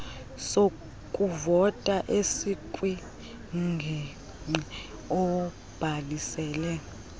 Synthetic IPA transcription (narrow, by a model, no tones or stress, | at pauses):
so | kʼuvɔtʼaʔesikʼwi | ŋ͡ǃʱɛ | i | ɔ | b̥ʱalisɛːlɛ